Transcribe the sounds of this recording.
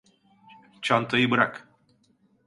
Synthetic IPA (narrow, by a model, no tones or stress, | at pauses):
t͡ʃʰant̪ʰajɯbɯɾak